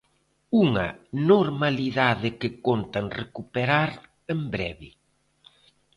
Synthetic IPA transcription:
uŋɐ̰noɾmaliðaðɪkɪkont̪aŋrekupeɾaɾ | embɾɛβɪ

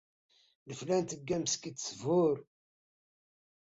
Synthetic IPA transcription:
ləflænt̪əɡːæmskit̪ːsvʊɾ

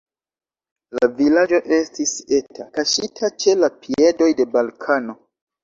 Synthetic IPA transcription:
lavilad͡ʒo̞ʔe̞stise̞tʰakaʃitʰat͡ʃe̞lapie̞do̞jde̞balkʰano̞

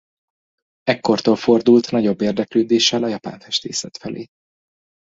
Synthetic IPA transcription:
ɛkːo̞rt̪oːlfo̞rd̪ult̪nɒɟo̞bːeːrd̪ɛkløːd̪eːʃːɛlɒjɒpa̰ːɱfɛʃt̪ḛːsɛt̪fɛlḛː

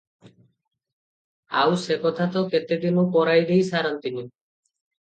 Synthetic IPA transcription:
a̰wsekɔt̪ʰat̪ɔket̪ed̪imupɔɾajd̪ejsaɾɔnt̪ini

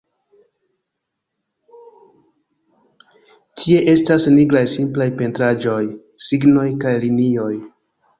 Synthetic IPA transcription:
tʰie̞ʔe̞stasniɡɾajsimplajpe̞ntɾad͡ʒo̞j | siɡno̞jkajlinio̞j

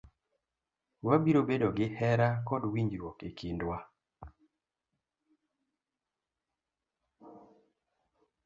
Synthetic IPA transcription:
wabiɾobedoɡɪhɛɾakɔdwiɲd͡ʒɾwɔkekʰindwa

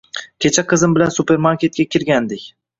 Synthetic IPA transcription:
kʲʰe̞t͡ʃʰaqʰɨzɪmbɪlansupe̞ɾmaɾkʲe̞t̪̚kʲakʲʰɪɾɡʲand̪ɪkʲ

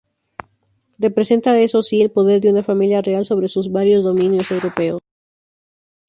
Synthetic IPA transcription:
re̞pɾe̞se̞nt̪aesosielpo̞ðe̞ɾðeunafamiljare̞also̞βɾe̞suzβaɾjo̞zðo̞mĩnjo̞se̞wɾo̞pe̞os

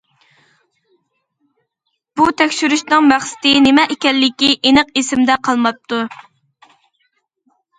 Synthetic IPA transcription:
b̥ut̪ʰɛkʲʃyɾyʃnɨŋmæχsɪ̥t̪ɪnemɛʔekʲɛlːɪkʲiʔenəqesɪmd̪ɛqʰɑlˠmɑp̚t̪ʰu

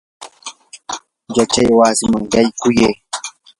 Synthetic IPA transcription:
d͡ʒat͡ʃajwaːsɪmaŋɡajkʊje

